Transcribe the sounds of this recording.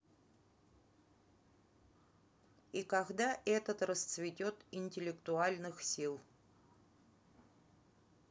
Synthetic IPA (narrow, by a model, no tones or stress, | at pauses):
ikaɡd̪aʔɛt̪ət̪rəst̪svʲɪtʲot̪ɪnʲtʲɪlʲɪkt̪ʊalʲnɨxsʲilˠ